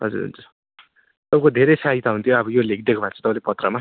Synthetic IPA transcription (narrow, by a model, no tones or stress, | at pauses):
ɦʌ̰d͡zṵɾɦṵnd͡zu | ʌbkod̪ʱeɾejsait̪aɦunt̪ʰjoʌbʌjolekid̪ekʰobʱat͡sʰʌ̥t̪ʌbalepʌt̪rʌma